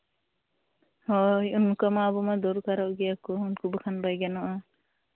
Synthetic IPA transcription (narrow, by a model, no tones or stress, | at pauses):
hɔjunkamaːbɔmad̪ɔɾukaɾɔʔɡɛakɔunkʰubɔkʰanbajɡanɔʔa